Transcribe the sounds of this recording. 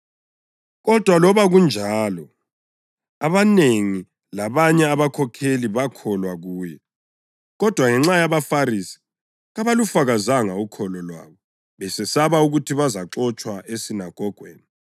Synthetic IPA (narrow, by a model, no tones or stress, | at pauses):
ɣɔd̥ʱwalɔβaɣund͡ʒʱaːlɔ | aβaneŋi | laβaɲɛaβakʰɔkʰeliβakʰɔlwaɣuːjɛ | ɣɔd̥ʱwaŋɛŋ͡ǁajaβafaɾisi̥ | ɣaβalufaɣazaŋaukʰɔlɔlwa̰ːβɔ | βɛsɛsaβauɣutʰiβazaǁɔt͡ʃʼwaʔesinaɡ̥ʱɔɡ̥ʱwḛːni